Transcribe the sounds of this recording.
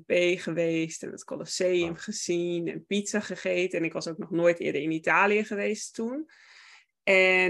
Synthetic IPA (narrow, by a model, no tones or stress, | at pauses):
beːχəʋeːstɛ̰nə̰tkoloseːəmχəsinɛ̰npitsaχəχeːtəɛnɪkʋɑsowknɔxnoːjtʰɪ̰ədəɹɪnitaːliəχəʋeːstun | ʔɛ